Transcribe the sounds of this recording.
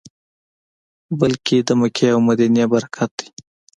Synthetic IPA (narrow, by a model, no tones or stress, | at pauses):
bəlkid̪əməkʰeawmad̪injabɐɾakʰat̪̚d̪i̥